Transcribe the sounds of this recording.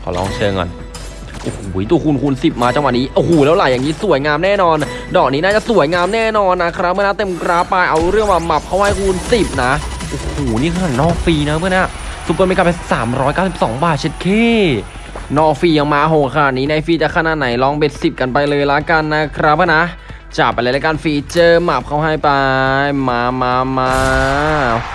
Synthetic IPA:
kʰɔ̰ː˨˦lɔ̰ː˧˥˩ŋt͡ɕʰɤː˧ŋɤ̰˧n | ʔo̰ː˨˧˩hoː˨˩˦jt̪uː˧˩kʰu˧nkʰu˧nsi˨˩p̚maː˧t͡ɕa˧ŋwa˨˩niː˦˥ʔo˨˧˩hoː˨˩lɛː˦˥wla˨˩jaː˨˩ŋniː˦˥su˨˩˦jŋaː˧mnɛː˥˩nɔː˧ndɔː˨˩k̚niː˦˥naː˥˩t͡ɕa˨˩su˨˩˦əjŋaː˧mnɛː˥˩nɔː˧nːa˦˥kʰɾa˦˥p̚ʰːa˥˩naː˧˥˩t̪e˧mkɾaː˦˥pːa˧jʔa˧wɾɯ˥˩əŋwaː˧˩ma˨˩p̚kʰa˦˥wha˥˩jkʰu˧nsi˨˩p̚na˦˥ | ʔo˨˩hoː˨˩niː˥˩kʰa˧naː˨˩nɔː˥˩fiː˧na˦˥mɯ˥˩˨na˦˥˨su˧˩p̚ːm˧ka˨˩pːa˧saː˩˦mɾɔː˦˥jkaː˥˩si˨˩sɔ̰ː˩˦ŋbaː˨˩t̪̚t͡ɕʰe˦˥t̪̚kʰeː˧˥˩ | nɔː˧˩fiː˧ja˧ŋmaː˧ʔa˧ɦo˨˧˩kʰa˧naː˨˩ni˦˥na˧jfiː˧t͡ɕa˨˩kʰa˧naː˨˩t̪̚na˩˦jlɔː˧˥˩ŋbe˨˩t̪̚si˨˩p̚ka˧npa˧jlɤː˧jla˦˥ka˧nːa˦˥kʰɾa˦˥p̚ʰːa˥˩na˦˥ | t͡ɕa˨˩pa˧jla˦˥la˦˥jkaː˧nfiː˧t͡ɕɤː˧˩ma˨˩p̚kʰa˥˩wɦa˥˩jpa˧jmaː˧maː˧˥maː˧

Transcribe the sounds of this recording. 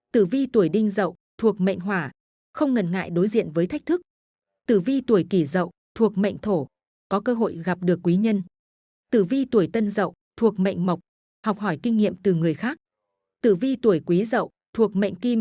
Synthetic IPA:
t̪ɨ˧˩vi˧t̪u˧˩əjɗï˧ŋ̟zə̰˧˨w | t̪ʰu˨˩ək̚ma̰˧˨jŋ̟ɦwaː˧˩ | xə˧wŋ͡mŋə˨˩nŋa̰ː˧˨jɗo˨˦jzḭ˧˨ənvəː˨˦jt̪ʰjk̚t̪ʰɨ˦˥k̚ | t̪ɨ˧˩vi˧t̪u˧˩əjki˧˩zə̰˧˨w | t̪ʰu˨˩ək̚ma̰˧˨jŋ̟t̪ʰo˧˩ | kɔ˨˦kəː˧ɦo̰˧˨jɣa˨˩p̚ɗɨ˨˩əkːwi˨˦ɲə˧n | t̪ɨ˧˩vi˧t̪u˧˩əjt̪ə˧nzə̰˧˨w | t̪ʰu˨˩ək̚ma̰˧˨jŋ̟mə˨˩wk͡p̚ | hɔ˨˩wk͡p̚hɔ˧˩jkï˧ŋ̟ŋḭ˧˨əmt̪ɨ˨˩ŋɨ˨˩əjxaː˦˥k̚ | t̪ɨ˧˩vi˧t̪u˧˩əjkwi˨˦zə̰˧˨w | t̪ʰu˨˩ək̚ma̰˧˨jŋ̟ki˧m

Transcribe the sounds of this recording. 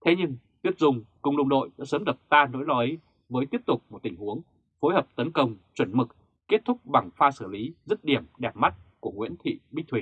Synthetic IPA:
t̪ʰe˨˦ɲɨ˧ŋ | t̪i˦˥əp̚zʊ˨˧˩ŋ͡mkʊ̰˨˧˨ŋ͡mɗə˧wŋ͡mɗo̰˧˨jɗa̰ː˧˥səː˨˦mɗɨ˨˩p̚t̪aː˧no̰˧˥jlɔ˨˧˦ʔə˨˦j | vəː˨˦jt̪i˦˥əp̚t̪ʊ˨˩k͡p̚mo˨˩t̚t̪ï˧˩ŋ̟hu˨˦əŋ | fo˨˦jɦəː˨˩p̚t̪ə˨˦nkə˧wŋ͡mt͡ɕwə˧˩nmɨ˨˩k̚ | ke˦˥t̚t̪ʰʊ˦˥k͡p̚ɓa˨˩ŋfaː˧sɨː˧˩li˨˦zə˦˥t̚ɗi˧˩əmɗɛ˨˩p̚ma˦˥t̚ku˧˩əŋwḭ˧˥ənt̪ʰḭ˧˨ɓi˦˥t̪ʰwi˨˩

